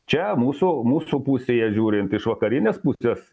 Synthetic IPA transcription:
t͡ʃʲɛmuːsumuːssupusʲeːjɛʒʲuːɾʲɪnt̪ɪʃʋɐkɐɾʲɪnʲeːspʊsʲeːs

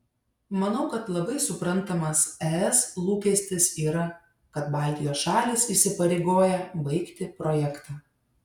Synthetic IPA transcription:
mɐnɐʊkɐt̪lˠɐbɐɪsʊpɾɐnt̪ɐmɐsɛɛslˠuːkʲɛsʲt̪ʲɪsiːɾɐ | kɐt̪bɑːˑlʲt̪ʲɪjoːsʃɑːlʲɪsiːsʲɪpɐɾʲeɪɡoːjɛbɐɪkt̪ʲɪpɾɔjɛkt̪ɑː

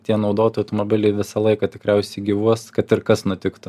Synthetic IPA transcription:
t̪ʲiɛnɐʊd̪oːt̪ojɐʊt̪omobʲɪlʲɛɪʋʲɪsɐlˠɐɪkɑt̪ʲɪkɾʲɛʊsʲɛɪɡʲɪʋuɔskɐt̪ɪɾkɐsnʊt̪ʲɪkt̪ʊ

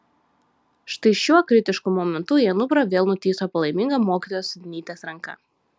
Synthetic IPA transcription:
ʃt̪ɐɪʃʲuɔkɾʲɪt̪ʲɪʃkʊmɔmʲɛnt̪ʊiɛnʊpɾɐʋʲeːlˠnʊt̪ʲiːsoːpɐlˠɐɪmʲɪŋɡɐmoːkʲiːˑt̪oɔjːsd̪ʲɪnʲiːt̪ʲeːsɾɐŋkɐ̰

